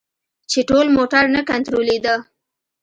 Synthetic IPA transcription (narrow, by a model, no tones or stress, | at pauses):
t͡ʃeʈolmoʈaɾnakant̪ɾoled̪ə